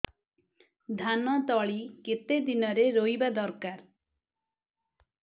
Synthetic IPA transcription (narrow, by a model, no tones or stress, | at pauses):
d̪ʱanɔt̪ɔɭiket̪ed̪inɔɾeɾoibad̪ɔɾkaɾ